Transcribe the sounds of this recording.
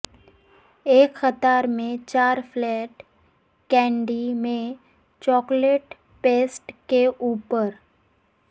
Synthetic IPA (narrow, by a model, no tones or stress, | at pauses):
eːkxət̪aːɾmẽt͡ʃaːɾflɛːʈ | kɛ̃ːɳɖimẽ | t͡ʃɔːkleʈ | peːsʈkeʔuːpəɾ